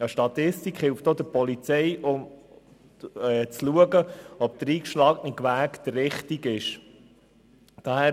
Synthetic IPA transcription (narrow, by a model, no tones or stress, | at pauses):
əʃtɑt̪ɪstikχhɪlftod̪əɾpɔlit͡sɛjʔʊm | ɛt͡sluəɡəɔp̚d̥̪ɾiːkʃlɑːknɪkʋæːkd̪̥əɾːɪχtiɡɪʃ | d̥ɑhæ